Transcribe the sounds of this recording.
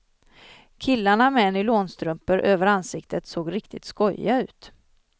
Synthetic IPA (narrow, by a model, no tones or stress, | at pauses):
kʰɪlːaɳamɛnːɪloːnst̪ɾɵmpəɾʔøːvəɾansɪkt̪ʰət̪soːɡɾɪkt̪ʰɪt̪skɔjaʉ̟̰ːt̪